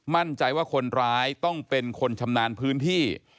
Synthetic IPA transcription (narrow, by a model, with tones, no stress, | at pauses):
ma˥˩nt͡ɕa˧jwaː˥˩kʰo˧nɾaː˦˥jt̪ɔ˥˩ŋpe˧nkʰo˧nt͡ɕʰa˧mnaː˧npʰɯː˦˥nt̪ʰiː˥˩